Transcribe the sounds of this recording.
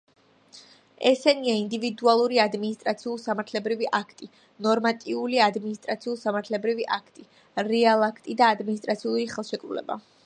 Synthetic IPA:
ɛsɛniaind̪ivid̪ualˠuɾiad̪minist̪ʼɾat̪sʰiulˠsamaɾt̪ʰlɛbɾiviʔakʰt̪ʼi | nɔɾmat̪ʼiuliad̪minist̪ʼɾat̪sʰiulˠsamaɾt̪ʰlɛbɾiviʔakʰt̪ʼi | ɾɛalˠakʰt̪ʼid̪aːd̪minist̪ʼɾat̪sʰiulˠɾiχɛlˠʃɛkʼɾulɛ̰ba̰

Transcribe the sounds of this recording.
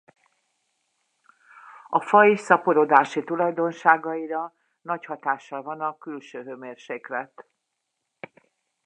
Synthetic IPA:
ɒfɒisɒpoɾoːd̪aːʃit̪ulɒjd̪o̞nʃaːɡɒiɾɒ | nɒchɒt̪aːʃːɒlvɒnɒkylʃøːɦøːmeːrʃeːklɛt̪

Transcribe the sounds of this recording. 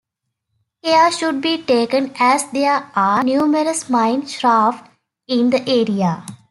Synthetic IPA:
heəʃʊɖ̚biːʈeːkə̃nɛzd̪eəaːnjuːməɾəsmãɪ̃nɖʃɾaːfʈ | ɪ̃nd̪əʔeːɾija

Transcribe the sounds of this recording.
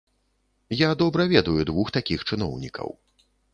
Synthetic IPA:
jad̪ɔbɾɐvʲɛd̪ujud̪vuxt̪akʲixt͡ʂɨnɔwnʲikʰɐ̰w

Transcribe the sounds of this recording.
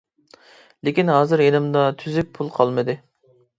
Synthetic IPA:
lekʲinɦɑːzɨɾenɪmd̪ɑt̪ʰyzyk̚ʲpʰulˠqʰɑlˠmɨd̪ɨ

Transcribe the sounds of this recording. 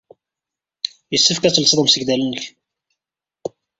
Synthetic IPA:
jəsːəfkæt͡sːəlsəðˤəmsəɡd̪ælənːəç

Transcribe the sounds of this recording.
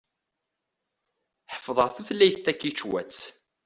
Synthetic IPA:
ħəfðˤəʁθuθlːæjθθækːit͡ʃːwæ̰t͡sː

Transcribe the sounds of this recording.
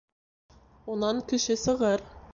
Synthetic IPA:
unɑŋkɘ̆ʃɘsɤ̆ʁɤɾ

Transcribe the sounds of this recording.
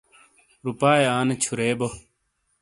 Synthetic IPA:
ɾupaːeaːnet͡ɕʰuɾeːbo

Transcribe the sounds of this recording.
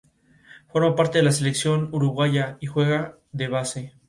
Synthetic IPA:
fo̞ɾmapaɾt̪eðelas̬e̞leksjo̞nuɾuɣwaʝaixwe̞ɣa | ðe̞βase̞

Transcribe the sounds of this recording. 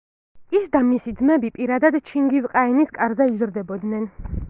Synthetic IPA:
isd̪amisid̪mɛbipʼiɾad̪ad̪t͡ʃʰiŋɡisqʼainiskʼaɾzɛizɾd̪ɛbɔd̪nɛn

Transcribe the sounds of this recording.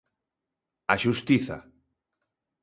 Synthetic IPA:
aʃust̪iθa̰

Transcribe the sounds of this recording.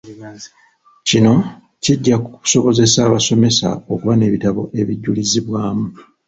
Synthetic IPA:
cino̞ | ciɟːaku̥so̞βo̞ze̞saːβaso̞me̞sa̰o̞kuβane̞ːβitaβo̞ʔe̞βiɟːuliziβwaːmu

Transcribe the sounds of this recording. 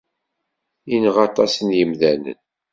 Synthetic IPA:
inəʁɑt̪ˤɑsənjəmðænə̰n

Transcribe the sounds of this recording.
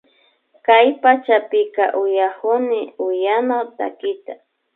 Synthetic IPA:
kajpat͡ʃapɪka̰ʔʊjakʊnɪʊjanawt̪a̰kɪt̪a

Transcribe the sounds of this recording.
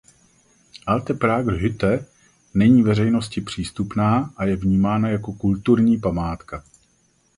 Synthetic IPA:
ʔalt̪ɛpɾaːɡɦʏt̪ɛ | nɛɲiːvɛrɛjno̞scɪpr̝̥iːst̪upnaːʔajɛvɲiːmaːnajako̞kult̪uɾɲiːpamaːt̪ka

